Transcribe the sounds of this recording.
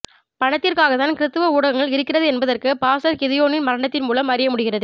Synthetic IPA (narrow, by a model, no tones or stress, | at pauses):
pɐɳɐt̪ːɪrkaːɣɐt̪ːaːnkɪɾɯt̪ːɯʋɐuːɽɐɣɐŋɡɐɭɪɾɯkːɪrɐðɯɛnbɐðɐrkɯpaːsɐɾkɪðɪjoːnɪnmɐɾɐɳɐt̪ːɪnmuːlɐmɐɾɪjɐmʊɽɪɣɪrɐðɯ